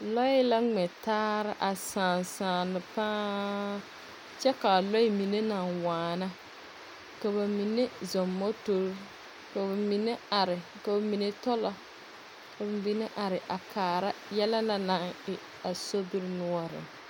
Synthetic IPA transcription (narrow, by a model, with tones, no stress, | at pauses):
lɔ˦ɪ˦la˦ŋ͡mɛ˨taː˦ɾɪ˦ʔa˨saː˨nsaː˨nɨ˨paː˦ | t͡ʃɛ˦ka˨lɔ˦ɪ˦mi˨ne˦na˨ŋwaː˨na˦ | ka˨ba˨mi˨ne˦zɔ˨mːɔ˦to˦ɾ | ka˨ba˨mi˨ne˦a˨ɾɪ˨ka˨ba˨mi˨ne˦tɔ˦lɔ˨ | ka˨ba˨bi˦ne˦ʔa˨ɾɪ˨ʔa˨kaː˨ɾa˦jɛ˦la˦la˦na˨ŋɪ˨ | a˨so˦bi˦ɾnʊ˦ɔ˦ɾɪ̰˨